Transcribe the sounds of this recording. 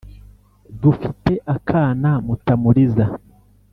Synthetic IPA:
dufite̞ʔakʰaːnamutamuɾiza

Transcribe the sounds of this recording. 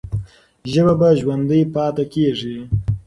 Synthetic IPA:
ʒəbabaʒwand̪əjpɑːt̪akeʐi

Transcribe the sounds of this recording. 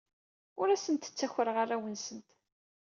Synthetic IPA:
ʊɾæsənt̪ə̥t͡sːæçəɾəʁaræwənsənt̪

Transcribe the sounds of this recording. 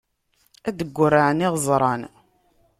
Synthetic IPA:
æd̪əɡʷːʊrːaʕəniʁzˤɾˤɑn

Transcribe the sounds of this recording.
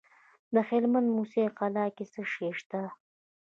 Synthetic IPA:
d̪əxelmand̪museqɑlɑkesəʃeʂt̪a

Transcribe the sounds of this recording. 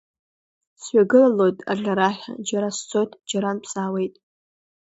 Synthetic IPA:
sɥaɡɨlalo̞jtʼa̰ɮʲaɾaħʲʷᶣa̰d͡ʒaɾast͡sʷʰʼotʰʼd͡ʒaɾanpʰsaːwe̞jtʼ

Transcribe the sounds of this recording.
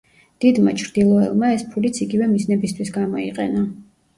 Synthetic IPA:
d̪̥id̪ma̰t͡ʃʰɾd̪ilˠɔɛ̰lˠmaɛspʰulit̪sʰiɡivɛmiznɛbist̪ʰwisɡamɔiqʼɛ̰na

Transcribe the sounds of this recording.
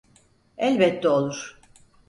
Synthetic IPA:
ɛlʲbɛt̪ʰːɛolˠuɾ̥

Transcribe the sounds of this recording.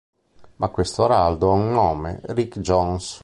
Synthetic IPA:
makːwest̪oɾald̪oaunːɔːmḛrikd͡ʒɔns

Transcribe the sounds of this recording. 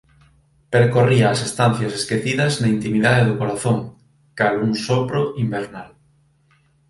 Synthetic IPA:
peɾkoriɐːsest̪anθjɐseskeθiðɐznɐint̪imiðaðeðʊkoɾaθoŋ | kaluŋsopɾoʔimbeɾnal

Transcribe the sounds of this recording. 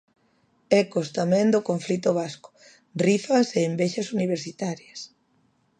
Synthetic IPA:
ɛkost̪amɛ̃ŋd̪okoɱflit̪ʊβ̞askʊ̥ | rifɐseːmbeʃɐsuniβ̞eɾsit̪aɾjɐs

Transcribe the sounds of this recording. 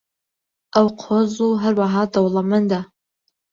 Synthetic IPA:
awqʰozuɦɐrwaɦaːdɐwlɐmɨnda

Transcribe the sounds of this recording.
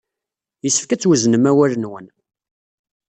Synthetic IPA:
jəsːə̥fkæt͡sːwəznəmæwælənwən

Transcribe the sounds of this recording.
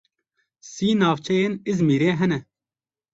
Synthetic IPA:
siːnɑːʋt͡ʃʰɛjeːnizmiːɾeːɦɛnɛ

